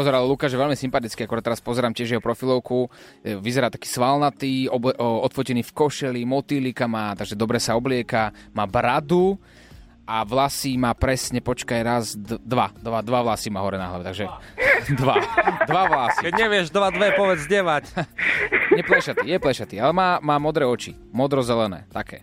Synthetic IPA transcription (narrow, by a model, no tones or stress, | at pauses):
pɔzɛɾallukaːʒjɛʋɛlmisimpat̪it͡skiakɔɾad̪t̪ɛɾaspɔzɛɾaːmcɪɛʒjɛɦɔpɾɔfilɔʊkuʋizɛɾaːt̪ḁkiːsʋalnat̪iːɔbʔɔt̪fɔcɛniːfkɔʃɛlimɔt̪ilikamaːt̪aɡʒɛd̪ɔbɾɛsaɔblɪɛkamaːbɾad̪u | ʔaʋlasimaːpɾɛsɲɛpɔt͡ʃkajɾazd̪d̪ʋad̪ʋad̪ʋaʋlasimaːɦɔɾɛna̰ɦla̰ʋɛt̪aɡʒɛd̪ʋad̪ʋaʋlasikɛɲɛʋɪɛʒd̪ʋad̪ʋɛpɔʋɛd͡zɲɛʋac | ɲɛplɛʃatp̪ijɛplɛʃat̪ialɛmaːmaːmɔd̪ɾɛːɔt͡ʃḭ | mɔd̪ɾɔzɛlɛnɛ̰ːt̪akʰɛ̰ː